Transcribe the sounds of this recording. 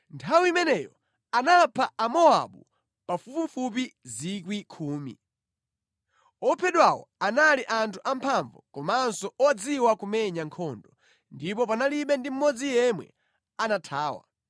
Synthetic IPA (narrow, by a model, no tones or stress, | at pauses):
ntʰawiimɛnɛjɔ̰ | anapʰaamɔa̰ɓu | pafupifup̬izikwikʰuːmḭ | ɔpʰɛɗwawɔ̰analiʔantʰuʔampʰaɱvɔkɔmaansɔɔd͡ziwakumɛɲaŋkʰɔndɔ | ndipɔpanaliɓɛndim̩mɔd͡zijɛmwɛ̰ | anatʰaːwa̰